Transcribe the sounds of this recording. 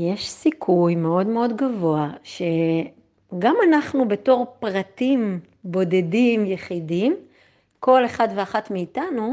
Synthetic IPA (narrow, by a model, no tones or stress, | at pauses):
jeʃsikʰujme̞o̞dme̞o̞dɡavo̞aʃe̞ | ɡamanaχnubeto̞ʁpʁatim | bo̞de̞dimjeχidim | ko̞le̞χadveaχatmiːtanu